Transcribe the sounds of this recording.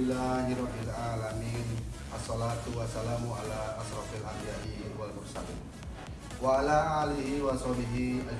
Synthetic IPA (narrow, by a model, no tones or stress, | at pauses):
ɪlːaɦiɾɔbialʔalamiːn | ʔasːɑlat̪uwasalamaʔalaʔasɾɑfalʔamijaʔiwalmʊrsa̰lḭn | waalaʔaliɦiwasˤɔbiɦiʔa